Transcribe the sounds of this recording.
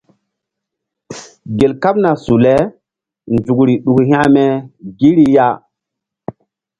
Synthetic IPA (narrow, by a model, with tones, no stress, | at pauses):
ɡe˨lka˦p̚na˨su˨le˦ | nd͡ʒu˨kɾi˨ɗu˨khj̃ã˦me˦ɡi˦ɾi˦ja˦